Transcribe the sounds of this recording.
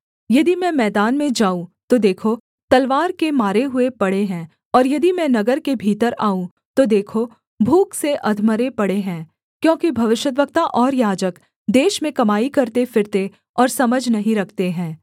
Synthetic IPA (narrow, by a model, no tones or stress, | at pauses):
jɐd̪imɛ̃mɛːd̪aːnmẽd͡ʒaːũt̪od̪eːkʰo | t̪ɐlʋaːɾkemaːɾeɦʊepɐɽeɦɛ̃ː | ɔːɾjɐd̪imɛ̃nɐɡəɾkebʱiːt̪əɾaːũ | t̪od̪eːkʰo | bʱuːkseʔɐd̪ʱməɾepɐɽeɦɛ̃ː | kjõːkibʱɐʋɪʃjət̪̬ʋək̚t̪aʔɔːɾjaːd͡ʒək | d̪eːʃmẽkɐmaːikɐɾt̪efɪɾt̪e | ɔːɾsɐməd͡ʒʱnɐɦĩɾɐkʰt̪eɦɛ̃ː